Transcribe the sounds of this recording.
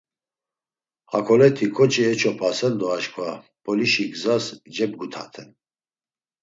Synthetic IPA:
hakʰɔlɛt̪ʰikʰɔt͡ʃʼiɛt͡ʃʰɔpʰasɛnd̪ɔaʃkʰvab̥ɔliʃiɡzasd͡ʒɛb̚ɡut̪ʰa̰t̪ʰɛn

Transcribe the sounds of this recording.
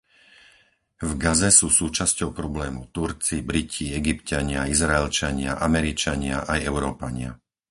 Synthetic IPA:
vɡazɛsuːsuːt͡ʃascɔʊpɾɔblɛːmuʊt̪uɾt͡sibɾicʰiɛɡipcaɲɪaizɾaɛlt͡ʃaɲɪa̰ʔamɛɾit͡ʃaɲɪaʔajɛʊɾɔːpaɲɪa̰

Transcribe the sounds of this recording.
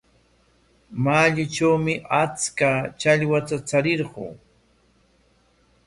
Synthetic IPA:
maːʎʊt͡ʃawmɪʔat͡skat͡ʃaʎwat̪at͡saɾɪɾɢṵː

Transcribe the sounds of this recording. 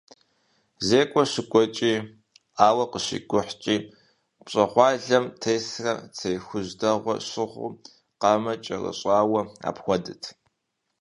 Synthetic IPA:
zeːkʷʼɔɕɪkʷʼɔt͡ʃʼiː | aːwɐqəɕḭːɡʷʊħt͡ʃʼiː | pɕʼɐχʷɑːɮɐmtʰejsrɐ̰t͡sʰejxʷʊʑdɐʁʷɔ̰ɕɪʁʷʊ̰ | qɑmɐt͡ʃʼɐrɐ̰ɕʼaːwɐa̰ːpxʷɔdɨtʰ

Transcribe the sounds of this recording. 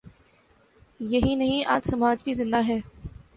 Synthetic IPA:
jɐɦinɐɦĩʔa̰ːd͡ʒsɐmaːd͡ʒbizɪ̃nd̪aɦɛː

